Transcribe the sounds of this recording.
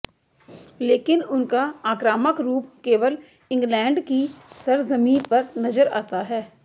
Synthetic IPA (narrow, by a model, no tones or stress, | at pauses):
leːkɪnʊnkaaːkɾaːməkɾuːp̚keːʋəl | ɪ̃ŋɡlɛ̃ːɳɖkisɐɾzɐmiːpɐɾnɐzəɾa̰ːt̪aɦɛː